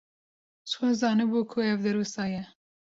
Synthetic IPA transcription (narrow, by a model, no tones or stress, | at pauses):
t͡ʃxozɑːnɨbuːkʰʊɛvd̪ɨɾuːsɑːjɛ